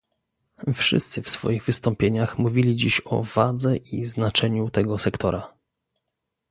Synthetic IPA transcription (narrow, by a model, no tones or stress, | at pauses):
fʂɘ̰st̪sɘfsfɔ̰jiɣvɘst̪ɔmpʲjeɲaxmuvʲilʲid͡ʑiɕɔ̰vad̪zɛʔiznat͡ʂɛɲut̪ɛɡɔsɛkt̪ʰɔɾa